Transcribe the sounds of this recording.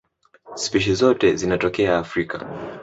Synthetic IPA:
spiʃ̬izɔtɛzinatɔkɛaːfɾika̰

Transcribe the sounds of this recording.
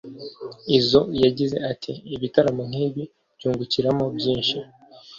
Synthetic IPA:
izo̞jaɟize̞̰atʰiːβitaɾamoŋ̥hiːβi | bɟuːŋɡuciɾamo̞bɟiːnʃi

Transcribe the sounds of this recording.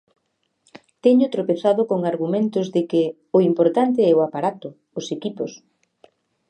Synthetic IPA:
t̪ɛɲʊt̪ɾopeθaðʊkoŋaɾɣumẽnt̪ʊzðɪkɪ | ʊimpoɾt̪ant̪ɪɛʊapaɾat̪ʊː | sekipʊs

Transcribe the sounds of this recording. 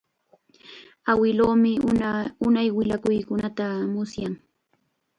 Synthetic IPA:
awɪloːmɪʊnajwɪʎakʊjkʊnat̪amʊsjaŋ

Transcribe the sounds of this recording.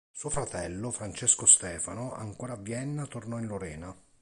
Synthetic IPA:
suːofɾat̪ɛlːofɾant͡ʃeskost̪ɛːfanoa̰ŋkoːɾavjɛnːat̪ornɔinloɾɛːna

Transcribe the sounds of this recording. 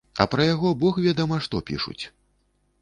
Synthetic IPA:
ɐ̰pɾɐjaɣɔbɔxvʲad̪ɐmɐʂt̪ɔpʲḭʂṵt͡sʲ

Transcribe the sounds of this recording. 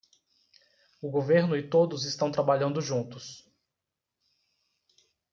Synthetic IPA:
ʊɡoveɾnʊɪt̪od̪ʊzɪst̪ɐ̃w̃t̪ɾabaʎɐ̃nd̪ʊʒũnt̪ʊs

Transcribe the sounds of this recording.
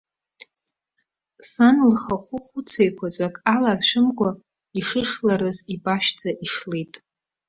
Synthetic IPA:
sanlχaχʷʊχʷut͡sʰejkʷʰazʷʼakʼalarʃʷᶣɪmkʷʼa | iʂɨʂlaɾɨzibaʃᶣd͡zaʔiʂletʼ

